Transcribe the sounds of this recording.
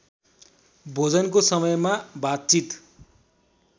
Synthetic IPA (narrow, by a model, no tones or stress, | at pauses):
bʱod͡zʌnkosʌmʌjmabat̪̚t͡sit̪